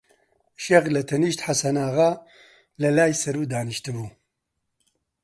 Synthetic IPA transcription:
ʃeɣlɐt̪ʰɐniːʃt̪ħasɐnaːɣaː | lɐlaːjsɐɾuːd̪aːnɨʃt̪ɨbuː

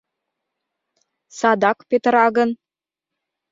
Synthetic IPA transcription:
sɑd̪ɑkpet̪ɾɑɣə̆n

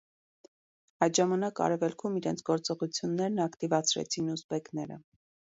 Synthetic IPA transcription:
ɑjt̪ʒɑmɑnɑkɑ̰ɾɛvɛlkʰumiɾɛnt͡sʰɡɔɾt͡sɔʁut͡sʰjunːɛɾnɑkt̪ivɑt͡sʰɾɛ̰t͡sʰinuspɛknɛɾə̰

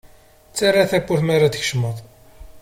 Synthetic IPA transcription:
t͡sːarˤːaθækʷːuθmaɾad̪əçʃməðˤ

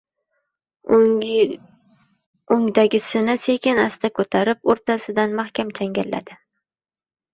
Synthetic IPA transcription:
oŋd̪aɡʲɪsɪnase̞kʲɪnast̪akʰɵt̪ʰaɾɪp̚oɾt̪ʰasɪd̪anmahkʲamt͡ʃʰaŋɡʲalːa̰d̪̥ɪ

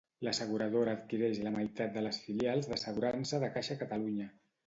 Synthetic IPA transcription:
ləsəɣ̞uɾəð̞oɾaːt̪kiɾɛʃləmajt̪at̪̚d̪ələsfilijalˠzðəsəɣuɾansəðəkaʃəkət̪əluɲə

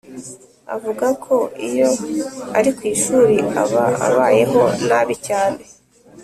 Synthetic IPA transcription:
a̰vuɡakʰo̞ḭjo̞aɾikwiːʃuːɾiaβaa̰βaːjeɦo̞̰naβicaːne̞

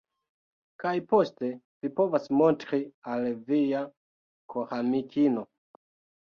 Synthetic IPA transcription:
kajpo̞ste̞ | vipo̞vasmo̞ntɾialvia | kʰohamikʰino̞

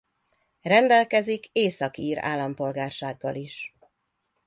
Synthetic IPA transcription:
rɛnd̪ɛlkɛzikeːsɒkiːɾa̰ːlːɒmpo̞lɡaːrʃaːɡːɒliʃ

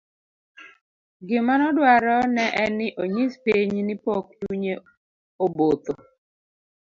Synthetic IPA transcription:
ɡɪmanɔdwaɾɔnɛʔɛnɪʔoɲɪspiɲnɪpɔkduɲe | obot̪o

